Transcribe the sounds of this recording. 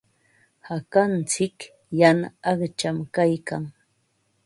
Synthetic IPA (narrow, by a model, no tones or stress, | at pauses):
hakant͡sɪk | jana̰ːχt͡ʃamkajkaŋ